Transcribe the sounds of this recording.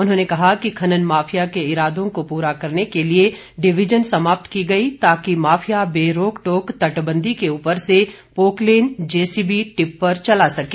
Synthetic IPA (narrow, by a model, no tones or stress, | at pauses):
ʊnɦõːnekɐɦakikʰɐnənmaːfʰijakeɪɾaːd̪ʱõkopuːɾakɐɾnekelie | ɖɪʋɪd͡ʒənsɐmaːp̚t̪kiɡɐit̪aːkimaːfʰijabeːɾoːkʈoːkt̪ɐʈbə̃nd̪ʱikeuːpəɾse | poːkleːnd͡ʒeːsiːbiʈɪpːɐɾt͡ʃɐlasɐkeː